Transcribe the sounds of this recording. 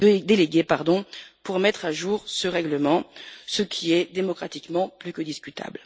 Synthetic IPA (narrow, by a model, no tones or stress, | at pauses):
d̪eleɡʲepaʁd̪ɔ̃puʁmɛt̪χaʒuːʁsəʁɛɡləmɑ̃səkʲʰiɛd̪emɔkχat̪ikmɑ̃plykod̪iskʲyt̪ʰa̰bl